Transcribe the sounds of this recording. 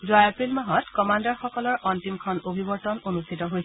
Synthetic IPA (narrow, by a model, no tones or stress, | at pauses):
zuajɛpɹilmaɦɔtkɔmandɔɹxɔkɔlɔɹʔɔntimkʰɔnobʱibɔɹtɔnonustʰitɔɦojs